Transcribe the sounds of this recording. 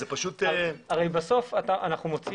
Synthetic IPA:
zepaʃut̪aʁejbaso̞fataʔanaχnumo̞t͡s

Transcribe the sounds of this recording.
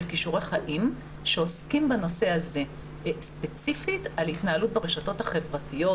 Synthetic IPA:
lkiʃuʁeχaʔim | ʃeoskimbano̞se̞aze | spet͡sifitalitnaalut̚beʁeʃato̞thaχe̞vʁatijo̞

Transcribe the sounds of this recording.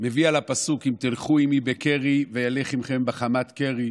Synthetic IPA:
me̞vialapasukimt̪ilχuimibekeʁivejale̞χimχe̞mbeχamat̪ke̞ʁi

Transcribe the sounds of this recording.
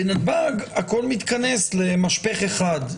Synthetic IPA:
benabaɡako̞lmit̪kanesle̞maʃpeχeχad̪

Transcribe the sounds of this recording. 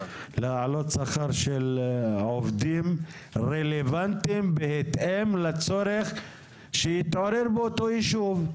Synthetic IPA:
leʕalot̪saχaʁʃelʕovd̪im | ʁelevant̪imbehet̪emlat͡so̞ɾeχ | ʃejit̪ʕo̞ɾeɾbeot̪ojiʃuv

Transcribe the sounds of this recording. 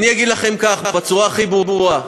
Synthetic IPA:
nijaɡid̪laχe̞mkaχbabet͡suʁaːχibʁubʁua

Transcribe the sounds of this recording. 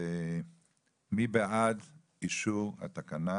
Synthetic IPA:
e | mibead̪ | iʃuha̰t̪akana

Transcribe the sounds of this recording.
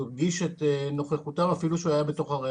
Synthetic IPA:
ɡiʃeteno̞χeχut̪amafiluʃeajabet̪o̞χaʁe

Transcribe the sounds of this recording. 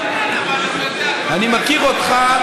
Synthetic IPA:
animakiɣɔt̪χa

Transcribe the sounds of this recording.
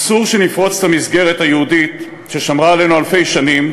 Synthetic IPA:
suʁʃe̞nifʁo̞t͡stamizɡe̞ʁethajeudit | ʃe̞ʃamʁaːle̞nualfe̞jʃanim

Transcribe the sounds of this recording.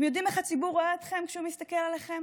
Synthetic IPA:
mjo̞d̪imeχat͡sibuʁoaet̪χe̞mkʃeumist̪ake̞laleχe̞m

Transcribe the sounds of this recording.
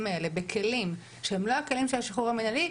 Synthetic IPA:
maele̞be̞kʰe̞lim | ʃeemlo̞ake̞limʃelaʃiχuʁamenali

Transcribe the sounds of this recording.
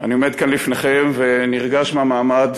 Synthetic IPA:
aniome̞d̪̚kanlifneχemve̞niʁɡaʃmeamaːmad̪

